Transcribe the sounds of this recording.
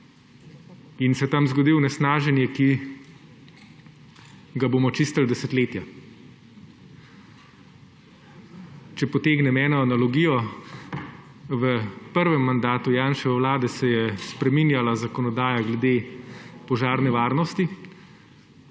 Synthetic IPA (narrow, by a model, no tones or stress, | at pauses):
insɛt̪amzɡɔd̪iwnɛsnaːʒɛnjɛki | ɡaboːmɔt͡ʃist̪əld̪ɛsɛt̪leːt̪ja | t͡ʃɛpɔt̪eːɡnɛmɛːnɔanalɔɡiːjɔ | ʋəpəɾʋɛmːand̪aːt̪ujaːnʃɛɛwlaːd̪ɛsɛjɛspɾɛminjalazakɔnɔd̪aːjaɡlɛd̪eːpɔʒaːɾnɛʋaːɾnɔst̪i